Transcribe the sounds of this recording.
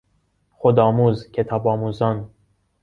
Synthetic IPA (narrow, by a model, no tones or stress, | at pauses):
χod̪ɒːmuzkʰet̪ʰɒbɒːmuzɒn